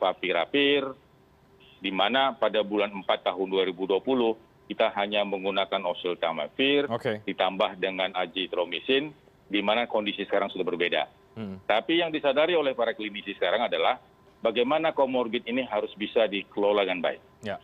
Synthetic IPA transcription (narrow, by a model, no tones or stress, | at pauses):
fapiɾa̰pɪr | dimanapadabulanəmpat̪ːaɦʊnduaɾibuduapulʊh | kit̪aɦaɲaməŋɡunakanɔsilt̪ama̰fɪrokedit̪ambahdəŋanad͡ʒit̪ɾomisɪn | dimanakondisisə̥kaɾaŋsudahbərbeda̰ | t̪apijaŋdisadaɾiolɛhpaɾakəlinisisə̥kaɾaŋadalah | baɡajmanakomɔrɡɪt̪iniɦaɾʊsbisadikəlolaɡanba̰ɪk̚j